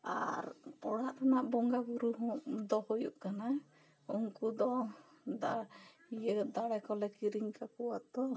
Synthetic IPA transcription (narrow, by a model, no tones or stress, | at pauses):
a̰ɾpɔɽaʔt̪ʰanaʔbɔŋɡaɡuɾuɦɔ̃ʔd̪ɔhujṵʔkana | uŋkud̪ɔ | d̪a | ijəd̪aɽakɔlɛkiɾiŋkakɔwat̪ɔ